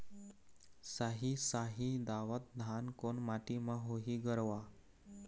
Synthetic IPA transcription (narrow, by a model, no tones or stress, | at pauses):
saɦiːsaɦid̪aʋət̪̚d̪ʱankonmaʈiməɦoɦiːɡəɾʋa